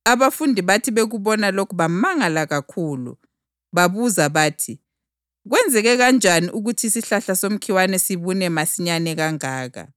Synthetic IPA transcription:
aβafundʱiβatʰiβeɣuβɔnalokʰuβamaŋalaɣakʰuːlṵ | βaβuzaβaːtʰi | ɣwɛnd͡zʱɛɣɛɣand͡ʒʱaniʔuɣutʰisiɬaɬasom̩kʰiwanɛsiβunɛmasiɲanɛɣaŋaːɣa̰

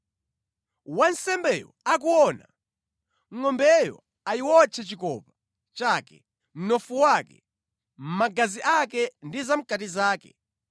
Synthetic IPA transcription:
wan̩sɛmbɛjɔ̰ak̬uɔna̰ | ŋɔmbɛjɔ̰ | aiwɔt͡ʃʰɛt͡ʃikɔ̰pḁ | t͡ʃaːkɛ̰ | m̩nɔfuwakɛ̰ | m̩maɡaziʔakɛndizam̩katizaːkɛ̰

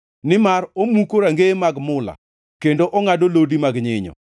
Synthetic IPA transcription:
nɪmaɾomukoɾaŋɡemaɡmʊla̰ | kendoʔɔŋadolodimaɡɲɪɲɔ̰

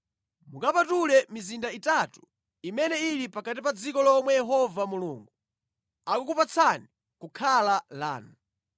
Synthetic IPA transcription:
mukapatulɛmizindaitatu̥ | imɛnɛilipakat̬ipad͡zikɔlaːmwɛjɛɦɔvamulṵːŋɡu | akukupat͡sʰani | kukʰalala̰ːnu

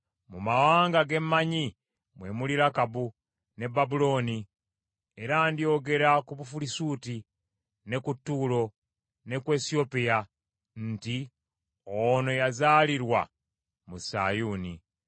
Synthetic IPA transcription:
mumawaːŋɡaɡe̞mːaɲi | mwe̞muliɾakabu | ne̞bːabulo̞ːni | e̞ɾandio̞ɡe̞ɾakuβufulisuːti | ne̞kutːuːlo̞ | ne̞kwe̞ːsio̞pija | n̩ti | ono̞jazaːliɾwa̰ | musa̰juːnḭ

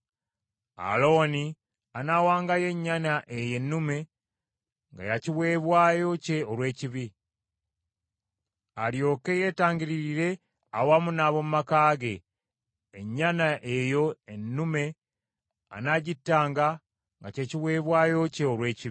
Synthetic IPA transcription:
a̰lo̞ːni | anawaːŋɡaje̞ɲːanaʔe̞je̞nːume̞ | ŋɡa̰jaciβwe̞ːβwaːjo̞ce̞olwe̞ːciβi | aljo̞ːke̞je̞ːtaːɲɟiɾiɾiɾe̞ | awamunaβo̞mumakaːɡe̞ | eɲːanaʔejo̞enːume̞ | a̰naɟitːaːŋɡa | ŋɡace̞ciβwe̞ːβwaːjo̞ce̞oɾwe̞ːciβi

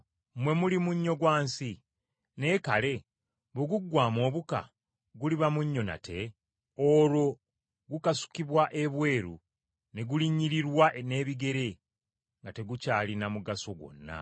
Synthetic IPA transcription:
mwe̞mulimuɲːo̞ɡwaːnsi | ne̞kale̞ | βoɡuɡːwaːmo̞ːβuka̰ | ɡuliβamuɲːo̞na̰tʰe̞ | oɾo̞ | ɡukasu̥kiβwaʔe̞βwe̞ːɾṵ | ne̞ɡuliɲːiɾiɾwane̞ːβiɡe̞ɾe̞ | ŋɡate̞ɡucaːlinamuɡaso̞ɡwo̞̰nːa̰

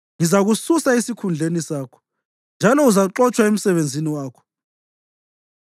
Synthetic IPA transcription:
ŋizaɣususaesikʰund͡ɮʱenisaːkʰɔ̥ | nd͡ʒʱalɔuzaǁɔt͡ʃʰʼwaem̩sɛβend͡zʱiniwaːkʰɔ̥

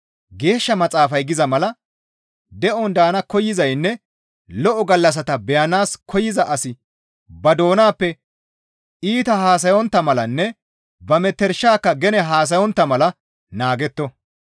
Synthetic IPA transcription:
ɡe̞ːʃːɐmɐt͡sʼaːfɐjɡɪzɐmɐlɐ | d̪ɛʔɔnd̪aːnɐkɔjːɪzɐjnːɛ | lɔʔɔɡɐlːɐs̬ɐt̪ɐbɛjɐnaːskʰɔjɪzɐʔɐsɪ | bɐd̪o̞ːnaːpːɛ | ʔiːt̪ɐɦaːs̬ɐjɔnt̪ːɐmɐlɐnːɛ | bɐmɛt̪ːɛɾʃːaːkːɐɡɛnɛɦaːs̬ɐjɔnt̪ːɐmɐlɐ | naːɡɛt̪ːɔ

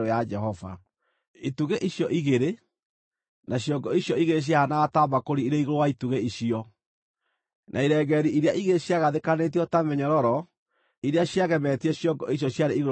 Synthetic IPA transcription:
ɾojad͡ʒɛɦɔva̰ | ituɣeʔiɕjɔʔiɣeɾe | naɕjɔɡɔiɕjɔiɣeɾeɕ̬jahanaɣtaːmakoɾiiɾeiɣoɾowaituɣeiʃiɔ | nʔaiɾɛɣɛɾiʔiɾeaʔiɣeɾɕjaɣaðekanet̬iɔtamɛɲɔɾɔɾɔ | iɾeaɕjaɣɛmɛtiɛɕjɔɡɔiɕ̬jɔɕjaɾeiɣ

